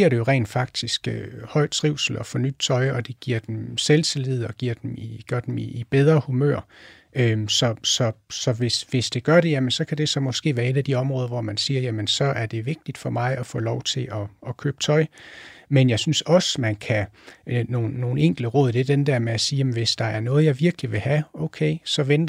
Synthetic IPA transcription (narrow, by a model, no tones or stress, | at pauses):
iɐ̰ɾe̝jo̝ʁɛ̰ːnd̥fɑ̈ɡ̥̚d̥isɡ̥øhɒ̽ɪ̰d̥̚t͡sʰʁiʊ̰sl̩ɒ̽fɒ̽nyd̥̚t͡sʰɒ̽ɪɒ̽d̥e̝ɡ̥iɐ̰d̥emselt͡sʰe̝leð̞̩̰ˠɒ̽ɡ̥iɐ̰d̥emiɡ̥ɶɐd̥emḭːb̥eð̞ˠʁɐhumø̰ɐ̰ | øsɒ̽sɒ̽sɒ̽ʋe̝sʋe̝sd̥e̝ɡ̥ɶɐɾe̝jæmənsɒ̽kʰæd̥e̝sɒ̽mɒ̽sɡ̥e̝̰ːʋæːɐe̝dæd̥iɒ̽mʁɔ̽ːðˠɐʋɒmænsiːɐjæmənsɒ̽ʔæɐd̥e̝ʋe̝ɡ̥̚d̥id̥fɒ̽mɑ̈ɪɒfɔ̰̽ːlɒʊt͡sʰe̝lʔɒ̽ɒ̽kʰø̰ːb̥ə̥t͡sʰɒ̽ɪmenjɑ̈ɪsynsɒ̽səmænkʰæno̝ːnːo̝ːn̩eŋ̰ɡ̥ldəʁɔ̽ːðˠd̥e̝ɐd̥end̥ɛɐ̰meæsiːjæmnʋe̝sd̥ɑ̈æɐnɔ̽ːð̞̩ˠjɑ̈ɪʋiɐɡ̥liʋe̝hæoʊkʰeɪsɒ̽ʋend̥ɐ